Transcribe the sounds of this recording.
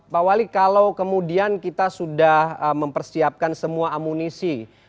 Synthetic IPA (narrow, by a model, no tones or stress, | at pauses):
pawalikalawkəmudiankit̪asudahəməmpərsiap̚kansəmuaːmunisi